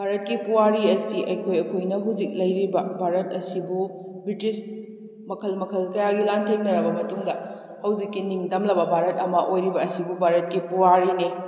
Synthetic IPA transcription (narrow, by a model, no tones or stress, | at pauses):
bʱaɾɐt̚kipuwaɾiɐsiʔɐjkʰojɐkʰojnɐɦud͡ʒik̚lɐjɾibɐbʱaɾɐt̚ɐsibu | bɾitis | mɐkʰɐlmɐkʰɐlkɐjaɡilantʰeŋnɐɾɐbɐmɐtuŋdɐ | hɐwd͡ʒikːiniŋdɐmlɐbɐbʱaɾɐtɐmɐʔojɾibɐːsibubʱaɾɐt̚kipuwaɾini